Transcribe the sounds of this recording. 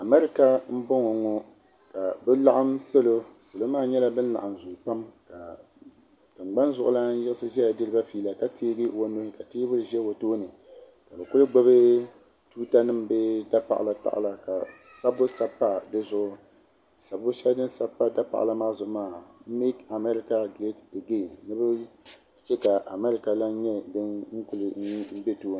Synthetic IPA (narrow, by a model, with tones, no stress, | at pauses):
a˨mɛ˦ɾɪ˦˨ka˦m̩˦bɔ˦ŋɔ˨ŋɔ˦ | ka˨bɛ˦la˦ʔa˦msa˦lo˦sɨ˨lo˦maː˦˨ɲɛ˦la˦bɨ˦n̩˦la̰˨ʔa˨mzʊ˨pa˦mka˨ | tɨ˨ŋ͡mɡ͡ba˦n˦zʊ˨ʔʊ̰˦la˦n̩˦jɛ˦sɨ˦ʒɛ˦ja˨dɨ˦ɾɨ˦ba˦fiː˦la˨ka˦tʰeː˦ɡi˦wo˦no˦hɪ˦ka˨teː˦bʊ˦ɾɨ˨ʒɛ˦wo˨toː˦nɨ˨ | ka˨bɛ˨kʊ˦lɨ˦ɡ͡ba˦bɨ˦ | tuː˦ta˦nɨ˦mbɛ˦da˦pa̰˨ʔla˦ta̰˨ʔla˨ka˨sa˦bʊ˦sa˦pːa˦dɨ˦zʊ˦ʔʊ˦ | sa˨bʊ˦ʃɛ˦dɨ˦sa˦pːa˦da˦pa̰˨ʔla˦maː˦zʊ˨ʔmaː˦˨m̩˦mi˦ka˨mɛ˦ɾɪ˦ka˦ɡɾe˦te˨ɡe˦˨nɨ˦bɛ˦ | t͡ʃɛ˦ka˨ʔa˨mɛ˦ɾɪ˦ka˨la˦n˦ɲɛ˦dɨ˦nŋ̩˦kʊ˦lɨ˨n˦m̩˦bɛ˦toː˦n˨